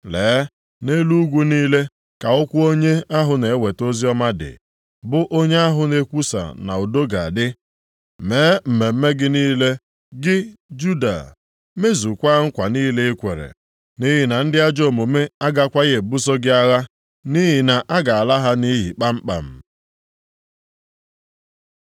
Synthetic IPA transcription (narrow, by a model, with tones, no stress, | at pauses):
leː˨˦ | ne˦lu˦ɡʷu˦niː˦le˦ | ka˨ʊ˦kʷʊ˦o˦ɲe˦a˦ɦʊ˨ne˨˦we˨to˦zi˦ɔ˦ma˦dɪ̰˨ | bʊ˦ʔo˦ɲe˦a˦ɦʊ˨˦ne˦kʷu˦sa̰˨na̰˨o˨do˦ɡa˨a˨dɪ˦ | meː˨˦m̩˨me˨m̩˦me˦ɡɪ˦niː˦le˦ | ɡɪ˦d͡ʒu˦da̰˨ | me˦zu˨kʷa˦ŋ̩˦kʷa˨niː˦le˦e˦kʷḛ˨ɾḛ˨ | ni˦ɦɪ˨na˨n̩˦dɪ˦a˦d͡ʒo˦˨mo˨me˦a˦ɡa˦kʷa˦ɣe˨bu˦s̬o˦ɡɪ˦a˦ɣa˦ | ni˦ɦɪ˨na˨ʔa˦ɡa˨a˨la˦ɦa˦ni˦ɦi˨k͡pa˦m̩˦k͡pa̰˨m̩˨